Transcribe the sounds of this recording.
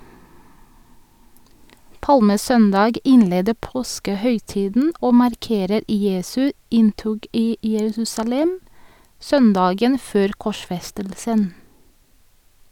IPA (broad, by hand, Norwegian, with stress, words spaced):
ˈpɑlməˌsœndɑɡ ˈɪnˌleːdə ˈpoːskəˌhœʏˌtiːdn̩ ˈoː mɑɾˈkeːɾəɾ ˈjeːsʉ ˈɪnˌtʊɡ ˈiː jəˈɹʉːsɑˌlɛm ˈsœnˌdɑːɡən ˈføːɾ kɔˈʃfɛstəlsən